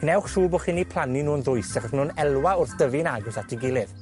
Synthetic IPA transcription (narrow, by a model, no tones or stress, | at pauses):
ɡ̥nɛwχʃuːboːχinːipʰl̥ˠaninuːnðʊjsɛχɔχnunɛlˠwaʊrθd̥əvɪnaɡʊsatʰiɡɪlˠɪv